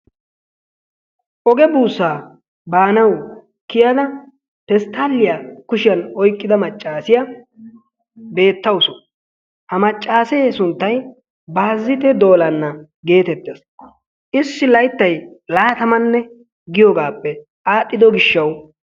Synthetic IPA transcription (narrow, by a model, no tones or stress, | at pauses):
ʔɔɡɛbuːsːaː | baːnɐw | kɪjɐd̪ɐ | pɛst̪ʰalːɪjakʊʃɪjɐnɔjkʼːɪd̪ɐmɐt͡ʃʼːaːsɪjɐ | be̞ːt̪ːɐwsʊ | hɐmɐt͡ʃʼːaːsesʊnt̪ːɐj | baːzːɪt̪ɛd̪o̞ːlɐnːɐ | ɡe̞ːt̪ɛt̪ːes | ʔɪsːɪlɐjt̪ːɐjlaːt̪ɐmɐnːɛ | ɡɪjɔɡaːpːɛ | aːt̪ʼːɪd̪ɔɡɪʃːɐw